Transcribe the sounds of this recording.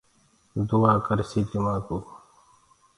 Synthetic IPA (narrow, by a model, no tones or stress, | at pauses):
d̪uwaːkəɾsiːtəmaːkuː